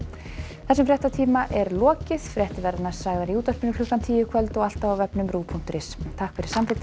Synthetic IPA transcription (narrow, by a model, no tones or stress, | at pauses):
θɛsːʏmfɾjɛht̪at̪ʰiːmaʔɛɾlɔːcɪðfɾjɛht̪ɪvɛɾðnaɾ̥saːɣðaɾiuːt̪œr̥pɪnʏkʰlʏkːant̪ʰiːjʏkʰvœlt̪ɔɣal̥t̪avawvɛpnʏmɾuːpʰuŋ̥t̪ʏɾɪst̪ʰahkfɪɾɪɾ̥samfɪt̪